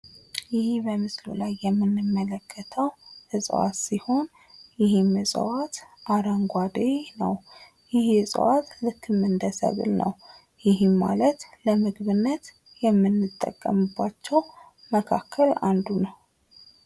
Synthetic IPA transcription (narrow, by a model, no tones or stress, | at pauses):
jɪhebəmɨslṵlajːɛmːɨnːɨmːələkʰːət̪ʰəwhɨsʼwa̰t̪siho̞n | jɪhimɨsʼə̰wat̪ʔaɾəŋɡʷad̪enə̰w | jɪhhɨsʼwat̪lɨkʰːɨmɨnd̪əsə̰βɨ̰lnə̰w | jɪɦima̰lət̪ləmɨɡβɨnːət̪ | jɛmːɨnːɨt̪ʼːə̰kʼːə̰mɨbːat͡ʃːɛw | məkʰakʰːəla̰nd̪unəw